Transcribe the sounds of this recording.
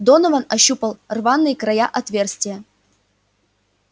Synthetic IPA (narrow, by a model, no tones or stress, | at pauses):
d̪onɐvanɐɕːupəlˠrvanːɨjkɾɐjaʔɐt̪vʲe̞rsʲt̪ʲvʲɪjə